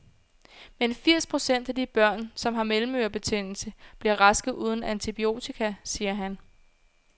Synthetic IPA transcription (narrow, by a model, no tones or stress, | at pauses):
menfiɐ̰spʰʁo̝sen̰d̥æd̥ib̥ɶɐ̰nsɒ̽mɦɑ̈melm̩øɐb̥e̝t͡sʰe̝ŋ̰n̰l̩səb̥liɐʁɑ̈sɡ̥ð̩ˠʔuːð̞ˠn̩ænt͡sʰib̥io̝̰ːt͡sʰikʰæsiːɐɦæn